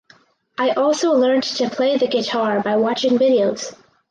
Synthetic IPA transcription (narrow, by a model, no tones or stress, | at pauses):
ʔaɪʔɔlˠsoʊlɜ̃˞ntʰɨpʰl̥eɪðɨɡɨtʰɑɹbaɪwɑt͡ʃɪ̃ŋvɪɾioʊz̥